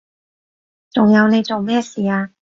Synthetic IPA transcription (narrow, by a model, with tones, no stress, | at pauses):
t͡sʊ˨ŋjɐ˨˧wne˨˧jt͡so˨wmɛː˥˩siː˨aː˧